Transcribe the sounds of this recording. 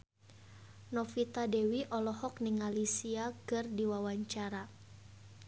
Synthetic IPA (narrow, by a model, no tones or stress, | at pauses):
nɔfit̪adewiʔɔlɔhɔk̚niŋalisiakɨrdiwawaɲt͡ʃaɾa